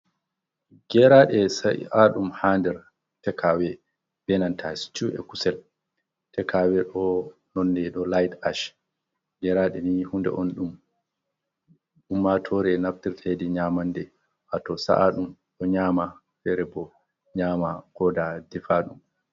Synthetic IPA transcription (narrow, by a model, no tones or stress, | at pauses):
ɡ̥ɛɾaɗɛsa̰ʔaɗumhandɛɾ | tɛkʰawɛ | b̥ɛnantʰast͡ʃuɛ̰kusɛl | tɛkʰawɛɗɔ | nɔnːɛɗɔlajdaʃ | ɡɛɾaɗɛnihundɛ̰ʔɔnɗum | ɗumːatʰɔɾɛnaftiɾtʰedɛɲamandɛ | ʔatɔsa̰ʔaɗumɗɔɲaːma | fɛɾɛbɔ | ɲaːmakʰɔdadɛfaɗum